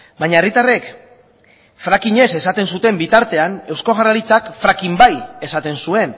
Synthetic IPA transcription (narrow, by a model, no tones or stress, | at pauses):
baɲaerit̪are̞k | fɾakiɲe̞se̞sat̪e̞nsut̪e̞mbit̪aɾt̪e̞ane̞wsko̞ɣ̞aralit͡sakfɾakimbaje̞sat̪e̞nsue̞n